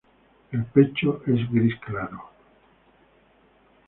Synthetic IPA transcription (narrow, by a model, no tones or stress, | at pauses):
elpet͡ʃoʔezɡɾisklaɾo